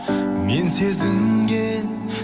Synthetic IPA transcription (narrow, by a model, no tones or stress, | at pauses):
mense̞zɪŋɡʲe